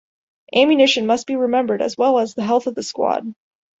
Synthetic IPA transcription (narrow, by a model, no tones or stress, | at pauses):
ʔæ̃mjɨnɪʃɨ̃nmʌs̚b̥iɹɨmɛ̃mbə˞ɾɨ̰zwɛlˠəzðəɦɛlˠθʌvðɨskwɑ̰d̥̚